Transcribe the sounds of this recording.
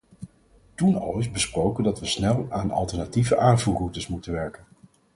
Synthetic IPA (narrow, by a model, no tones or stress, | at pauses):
tunɑ̰lˠɪzbəsprowkəndɑtʋəsnɛlˠaːnɑ̰lˠtɛɹnativəʔaːnvuːrutəsmutənʋɛɹkən